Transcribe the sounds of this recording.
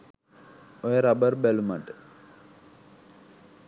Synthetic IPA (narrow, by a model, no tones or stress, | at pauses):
ojəɾabəɾbælumaʈə̥